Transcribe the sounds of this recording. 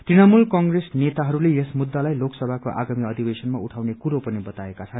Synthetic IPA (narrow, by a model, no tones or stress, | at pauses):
t̪riñʌmulkʌŋɡresnet̪aɦʌɾulejesmud̪ːalajloksʌbʱakoʔa̰ɡamiʌd̪ʱibesʌnmauʈʰawnekuɾopʌnibʌt̪aekat͡sʰʌn